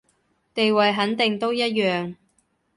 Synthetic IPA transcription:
t̪e˨jwɐ˨jɦɐ˨˥nt̪ɪ˨ŋt̪o˥wjɐ˥t̚jœː˨ŋ

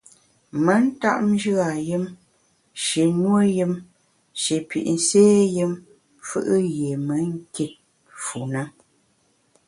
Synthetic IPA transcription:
mə˦n̩˦ta˦ʔm˦d͡ʒɨ˦a˨jɨ˦m | ʃi˨nwə˦jɨ˦m | ʃi˨pḭ˨ʔn̩˦seː˦jɨ˦m | fɨ̰˦ʔɨ˦je˨mə˨˦ŋ̩˦ki˦˨t̚ | fu˨na˦

